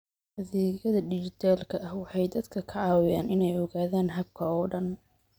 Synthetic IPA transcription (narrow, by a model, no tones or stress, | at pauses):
hɐðiːɣɐðɐɖɪt͡ʃɪt̪ʰaːlkʰɐʔɐhwɑħɑjd̪ɐd̪kʰɐkʰɐʕɑːwɪjaːnɪnɛjɔɣaːðaːnɦɐb̚kʰɐɔːɖɐn